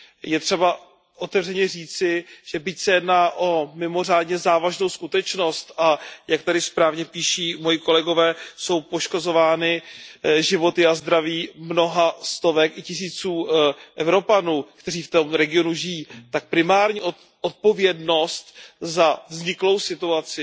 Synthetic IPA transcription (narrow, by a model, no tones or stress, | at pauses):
jɛt̪r̥ɛba | ʔo̞t̪ɛvrɛɲɛriːt͡sɪʒ̥ɛbɪcsɛjɛdnaːʔo̞mɪmo̞r̝aːdɲɛzaːvaʒno̞wskut̪ɛt͡ʃno̞st̪ʔajak̚t̪adɪspɾaːvɲɛpiːʃiːmojɪko̞lɛɡo̞vɛːso̞wpo̞ʃko̞zo̞vaːnɪʒɪvo̞t̪ɪazd̪ɾaviːmno̞ɦast̪o̞vɛkɪcɪs̬iːt͡suːʔɛvɾo̞panuːkt̪ɛriːft̪o̞mɾɛɡɪo̞nuʒɪjiːt̪ak̚pɾɪmaːɾɲiːʔo | ʔot̪̚po̞vjɛdno̞st̪zavzɲɪklo̞wsɪt̪uat͡sɪ